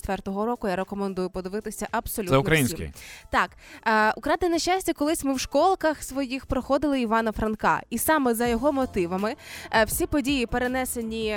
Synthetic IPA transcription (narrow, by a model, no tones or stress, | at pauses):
t̪ʋɛrt̪ɔɦɔɾɔkʊjaɾekɔmend̪ujʊpɔd̪ɪʋɪt̪ɪsʲɐʔɐbsɔlʲuɛʊkɾɐinʲskɪ̰t̪ɑkːʊkɾɑd̪ɪnɐʃasʲtʲɐkɔlˠɪsʲmɪwʃkɔlˠkɐxsʋɔjixpɾɔxɔd̪ɪlˠɪiʋɑnɐfɾɐnkɑ̰isɑmɛzɐjɔɦɔmɔt̪ɪʋɐmɪwsʲipɔdʲijipeɾenɛsenʲi